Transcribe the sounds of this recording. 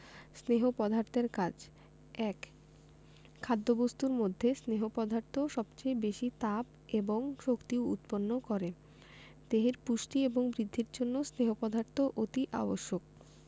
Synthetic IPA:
sneɦopɔd̪ʱaɾt̪eɾkad͡ʑ | ɛk | kʰːad̪ːobost̪uɾmod̪ʱːesneɦopɔd̪ʱaɾt̪ʰoʃɔbt͡ɕejbeʃit̪ap | eboŋʃokt̪iwṵt̪ponːokɔɾe | d̪̥eɦeɾpuʃʈieboŋbɾid̪ʱːiɾd͡ʑonːosneɦopɔd̪ʱaɾt̪ʰoʔot̪iʔa̰boʃːok̚

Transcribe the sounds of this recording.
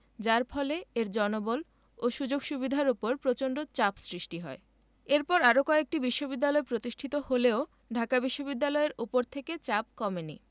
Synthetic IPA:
d͡ʑaɾpʰɔleeɾd͡ʑɔnobol | oʃud͡ʑoɡʃubid̪ʱaɾupoɾpɾot͡ɕoɳɖot͡ɕapsɾiʃʈiɦɔ̰e | eɾpɔɾaɾokɔek̚ʈibiʃːobid̪ːalɔepɾot̪iʃʈʰit̪oholeo | ɖʱakabiʃːobid̪ːalɔeɾupoɾt̪ʰeket͡ɕap̚kɔmenḭ

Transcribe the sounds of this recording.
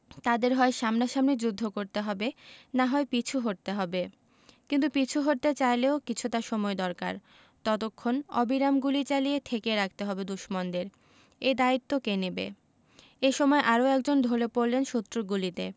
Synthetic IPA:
t̪ad̪eɾɦɔeʃamnaʃamned͡ʑud̪ʱːokoɾt̪eɦɔbenaɦɔepit͡ɕʰuɦoɾ̚t̪eɦɔbe | kint̪̬upit͡ɕʰuɦoɾ̚t̪et͡ɕajleokit͡ɕʰut̪aʃɔmɔed̪ɔɾka̰ɾ | t̪ɔt̪okʰːonɔ̰biɾamɡulit͡ɕaliet̪ʰekeɾak̚ʰt̪eɦɔbed̪uʃmond̪eɾ | ed̪ait̪ːokenebḛ | eʃɔmɔeʔaɾoɛkd͡ʑond̪ʱolepoɾlenʃut̪ːɾoɡulit̪ḛ

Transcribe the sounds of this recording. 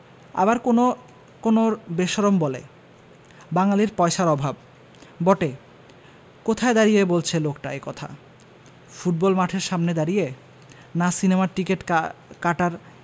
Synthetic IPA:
a̰baɾoo | konobeʃɔɾombɔlḛ | baŋaliɾpɔeʃaɾɔbʱab̚ | bɔʈe | kot̪ʰaed̪aɾijebolt͡ɕʰelokʈa̰ekɔt̪ʰa̰ | fuʈ̚bɔlmaʈʰeɾʃamned̪aɾije | nasinemaɾʈikeʈkaʈaɾ

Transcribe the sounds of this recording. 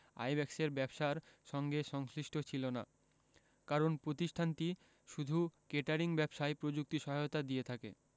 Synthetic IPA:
a̰jbɛkseɾbɛbʃaɾʃɔŋɡeʃɔŋsliʃʈʰot͡ɕʰilona̰ | kaɾonpɾot̪iʃʈʰant̪i | ʃud̪ʱukeʈaɾiŋbɛbʃaepɾod͡ʑuk̚t̪iʃɔɦajot̪ad̪ijet̪ʰakḛ

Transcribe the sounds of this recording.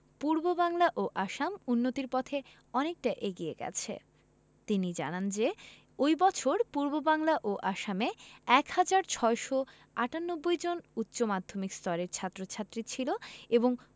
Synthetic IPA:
puɾbobaŋlaʔoʔaʃamunːot̪iɾpɔt̪ʰe | ɔnek̚ʈaʔeɡiḛɡɛ̰t͡ɕʰḛ | t̪inid͡ʑa̰nand͡ʑe | ojbɔt͡ɕʰoɾpuɾbobaŋlaʔoʔaʃameɛkhad͡ʑaɾt͡ɕʰɔeʃo | aʈanːobːojd͡ʑonut̪ːɕomad̪ʱomikst̪ɔɾeɾt͡ɕʰat̪ːɾot͡ɕʰat̪ːɾit͡ɕʰiloeboŋ

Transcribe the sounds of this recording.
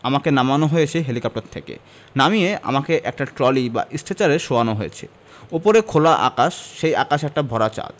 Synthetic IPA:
amakenamanoɦojet͡ɕʰeɦelikɔp̚ʈaɾt̪ʰekḛ | namiea̰makeʔɛk̚ʈaʈɾɔliba̰ʔisʈʰet͡ɕaɾeɾʃoanoɦojḛt͡ɕʰḛ | opoɾekʰolaʔa̰kaʃːeja̰kaʃɛk̚ʈabʱɔɾat͡ɕa̰l

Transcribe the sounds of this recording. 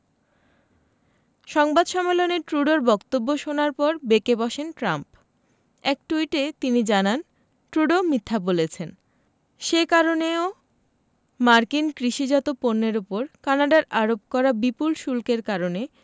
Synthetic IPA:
ʃɔŋbad̪ʃɔmːeloneʈɾuɖoɾbɔkt̪obːoʃonaɾpɔɾbekebɔʃenʈɾamp | ɛk̚ʈuiʈet̪inid͡ʑanan | ʈɾuɖomit̪ʰːabolet͡ɕʰen | ʃekaɾoneo | maɾkinkɾiʃid͡ʑat̪oponːeɾopoɾkanaɖaɾaɾob̚kɔɾabipulʃulkeɾkaɾone

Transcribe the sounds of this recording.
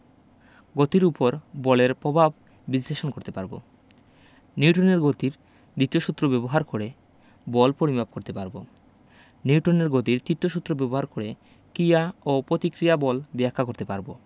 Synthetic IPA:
ɡot̪iɾupoɾbɔleɾpɾobʱab | bisleʃonkoɾt̪epaɾbo̰ | niuʈoneɾɡot̪iɾ | d̪it̪ioʃut̪ːɾobɛboɦaɾkoɾe | bɔlpoɾibʱab̚koɾt̪epaɾbo̰ | niuʈoneɾɡot̪iɾt̪it̪ːoʃut̪ːɾobɛboɦaɾkoɾe | kɾijaopɾot̪ikɾijabɔlbɛakʰːakoɾt̪epaɾbo̰

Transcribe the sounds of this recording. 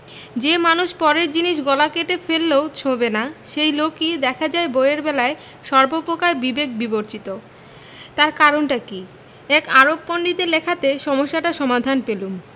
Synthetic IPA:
d͡ʑemanuʃpɔɾeɾd͡ʑiniʃɡɔlakeʈefelːeot͡ɕʰobenaʃejlokid̪ɛkʰad͡ʑaeboeɾbɛlae | ʃɔɾbopɾokaɾbibek̚biboɾt͡ɕit̪o | t̪aɾkaɾonʈaki | ɛkaɾobːoɳɖit̪elekʰat̪eʃɔmoʃːaʈaʃɔmad̪ʱanpelum

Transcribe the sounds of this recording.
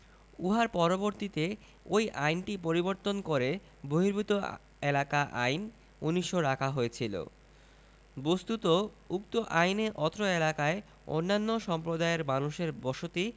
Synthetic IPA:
uɦaɾpɔɾoboɾt̪it̪e | ojʔajnʈip̬oɾiboɾt̪onkoɾe | boɦiɾbʱut̪o | elakaʔa̰jn | uniʃoɾakʰaɦojet͡ɕʰilo̰ | bost̪ut̪o | uk̚t̪oʔajneʔɔt̪ɾoelakae | o̰nːanːoʃɔmpɾod̪aeɾmanuʃeɾbɔʃot̪i

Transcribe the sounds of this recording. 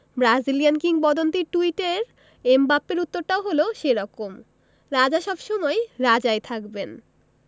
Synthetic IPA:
bɾad͡ʑilijankiŋpɔd̪ont̪iʈuiʈeɾ | embapːeɾut̪ːoɾʈaoɦoloʃeɾɔkom | ɾad͡ʑaʃɔbʃomɔeɾad͡ʑaet̪ʰakben

